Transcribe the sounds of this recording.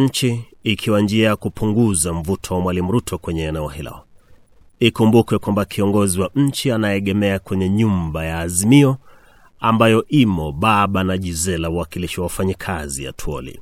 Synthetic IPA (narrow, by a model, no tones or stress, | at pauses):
t͡ʃiː | kʰiwand͡ʒiajakupuŋɡuzam̩vutʰɔwamwalimuɾutʰɔkwɛɲɛːnɛɔhilɛ̰ɔ | ikumbukɛkwambakʰiɔŋɡɔziwaɲ̩t͡ʃianaɛɛɠɛmɛakwɛɲɛɲumbajaːzimiɔ | ambajɔʔimɔɓaɓanaʄizɛlauwakiliʃiwawafaɲikʰazia̰tʰuɔ̰lḭ